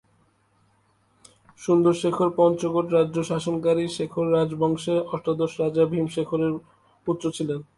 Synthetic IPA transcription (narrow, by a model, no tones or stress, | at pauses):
ʃund̪oɾʃekʰoɾpɔnt͡ɕoɡoʈɾadːd͡ʑoʃaʃonkaɾiʃekʰoɾːad͡ʑbʱɔŋʃeɾɔʃʈad̪oʃɾad͡ʑabʱimʃekʰoɾeɾ | ut̪ːɾot͡ɕʰilen